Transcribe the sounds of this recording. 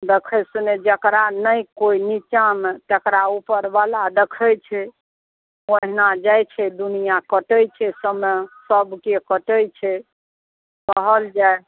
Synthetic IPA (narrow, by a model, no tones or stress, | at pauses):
d̪ekʰəsuned͡ʒəkɾanəjkoinit͡ʃamet̪əkɾaupəɾbalad̪ekʰəjt͡ʃʰɛ | oɦnad͡ʒajt͡ʃʰɛd̪unijakəʈəjt͡ʃʰɛsəmesəbkekəʈəjt͡ʃʰɛ | kəɦəld͡ʒae